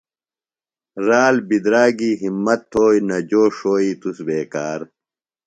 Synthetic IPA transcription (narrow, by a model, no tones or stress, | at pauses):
ɾaːlbid̪ɾaːɡiːɦimːɐt̪ʰːoːjnɐd͡ʑoːʂoːiːt̪usbeːkaːɾ